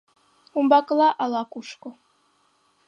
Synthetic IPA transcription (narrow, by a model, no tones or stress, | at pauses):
umbakʼlˠaʔalakʷʼuʂkʷʼɔ